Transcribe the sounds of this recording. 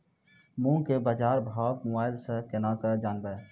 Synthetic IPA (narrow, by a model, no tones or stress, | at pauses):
mũkebaːd͡ʒaːɾbʱaːkmʊaːɪlsekenaːkəd͡ʒaːnbə